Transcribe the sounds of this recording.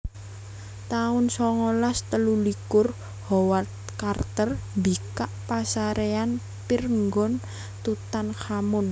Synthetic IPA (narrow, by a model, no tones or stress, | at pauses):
t̪aʊnsɔŋɔlast̪əlulikʊr | hɔwat̪̚ | kart̪ərmbikaʔpasaɾean | pirŋɡɔn | t̪ut̪anxamʊn